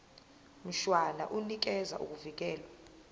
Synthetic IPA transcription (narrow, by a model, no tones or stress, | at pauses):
m̩ʃwana̰ʔunik̬ɛza̰ʔṵk̬ʼuvik̬ɛːlwa